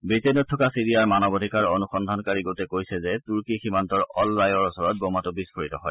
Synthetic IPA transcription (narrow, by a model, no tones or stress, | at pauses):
bitenɔtʰːɔkasiɹijaɹmanɔbodʱikaɹonuxɔndʱankaɹiɡotɛkojsɛzɛtuɹkiximantɔɹɔlɹajɔɹɔsɔɹɔt̚bɔmatubiskʰoɹitɔ̰ɦɔ̰j